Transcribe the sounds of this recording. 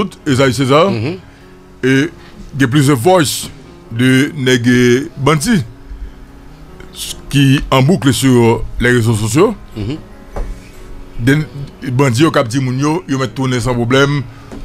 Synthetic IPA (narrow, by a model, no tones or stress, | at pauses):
ut̪ezais̬ezaʁ | e | ɡɛ̃p̬lys̬døvɔjs | dəneɡebɐ̃d͡zi | kiɐ̃buklesyʁlɛʁezos̬osjo | dbɑ̃d͡zijokap̚d͡zimũnjojomɛt̪̚ːunɛ̃s̬ɑ̃pʁoblɛm